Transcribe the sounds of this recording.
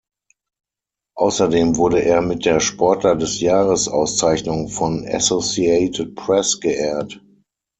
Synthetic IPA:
ʔaʊsɐdeːmvʊɐɾəʔeːɐmɪt̚d̥eːɐʃpʰɔɐtlɐdɛsjaːʁəsʔa̰ʊst͡saɪçnʊŋfɔna̰sosiɛɪtʰət̚pʰʁɛsɡ̥əʔɛːɐt

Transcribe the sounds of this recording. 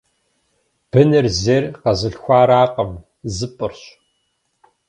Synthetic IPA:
b̥ɨnɨrzerqɐzɨɬxʷaːɾaːqɐm | zɨpʼɨrɕʼ

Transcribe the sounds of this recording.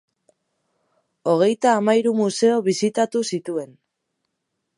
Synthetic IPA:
o̞ɣ̞e̞jt̪aːmaiɾumuse̞o̞βisit̪at̪usit̪ue̞n

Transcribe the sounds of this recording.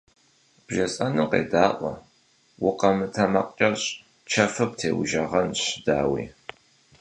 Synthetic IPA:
b̥ʒɐsʼɐnɨqḛːdaːʔʷɔ̰ | wʊqɐmɨtʰɐmɐ̰qʼt͡ʃʼɐɕ | t͡ʃʰɐfɨp̚tʰḛːwʊ̰ʒɐʁɐnɕɪda̰ːwḭː

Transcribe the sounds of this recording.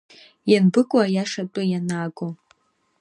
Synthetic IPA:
janbɨkʷʼwajaʂatʼʊjanaːɡʷʼo

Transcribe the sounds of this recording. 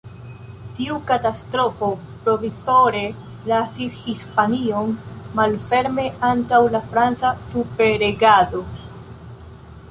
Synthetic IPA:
tiukatastɾo̞fo̞ | pɾo̞viso̞ɾe̞ | lasishispanio̞nːalfe̞ɾme̞ʔantawlafɾant͡sasupe̞ɾeɡado̞

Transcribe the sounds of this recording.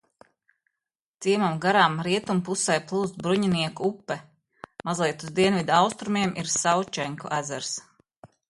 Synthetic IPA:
t̪siɛmamɡaɾaːmɾiɛt̪umpusɛjplˠuːzt̪bɾuɲiniɛkuupːɛ | mazlˠiɛt̪uzd̪iɛnvid̪aawst̪ɾumiɛmʔiɾsawt͡ʃɛŋkuʔæzɛɾs

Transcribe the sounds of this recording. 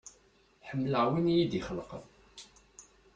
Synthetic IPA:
ħəmːləʕwinjid̪iχəlqə̰ð

